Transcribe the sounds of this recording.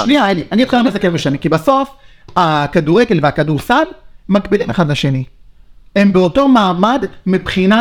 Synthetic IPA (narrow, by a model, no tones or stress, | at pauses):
liaaliʔanit̪χilamezakevbeʃanikibaso̞fakaduʁeɡe̞lveakaduʁsalmakbilimeχad̪laʃeni | e̞mbeoto̞maːmadmipχina